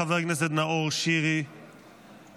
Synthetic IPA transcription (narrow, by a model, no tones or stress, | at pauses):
avɛɡnɪs̬ətnaoʁʃiːɾi